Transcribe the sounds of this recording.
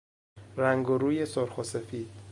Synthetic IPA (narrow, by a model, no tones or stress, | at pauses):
ɾæŋɡoɾuːje̞soɾxose̞fiːd̪̥